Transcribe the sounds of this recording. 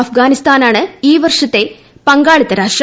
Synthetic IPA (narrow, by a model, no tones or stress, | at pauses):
ɐfɡaːnist̪ʰaːnaːɳɨiːʋɐrʂɐt̪ːe | pɐŋɡaːɭit̪ɐɾaːʂʈɾ